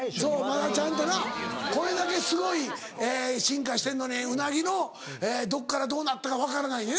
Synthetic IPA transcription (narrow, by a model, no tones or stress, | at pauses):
soːmad̪at͡ɕãnt̪onako̞ɾe̞d̪ake̞sɨɡo̞i | eːɕĩŋkaɕi̥t̪ẽ̞nːoɲʲeɯ̟naɡʲino̞ | eːd̪o̞kːaɾad̪o̞ːnat̪ːakaβakaɾanaine